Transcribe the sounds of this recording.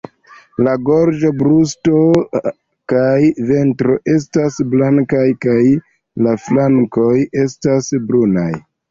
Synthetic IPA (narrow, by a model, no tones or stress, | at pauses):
laɡoɾd͡ʒo̞bɾusto̞ | kajve̞ntɾo̞ʔe̞s̬tasblaŋkajkaj | laflaŋko̞je̞stasbɾuna̰j